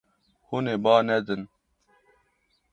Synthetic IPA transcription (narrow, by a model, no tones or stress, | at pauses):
huneːbaːnɛd̪ɨn